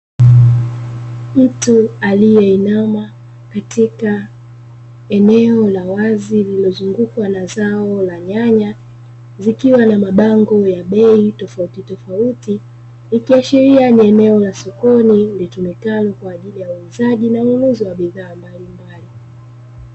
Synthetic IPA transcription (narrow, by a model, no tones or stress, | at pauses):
itualijɛinama | katʰika | ɛnɛɔlawazililɔzuŋɡukwanazaɔlaɲaɲa | zikiwanamaɓaŋɡɔjaɓɛitɔfautitɔfauti | ikiaʃiɾianiɛnɛɔlasɔkɔnilitumikalɔkwaːʄilijauuzaʄinauluziwaɓiðaːmbalimbali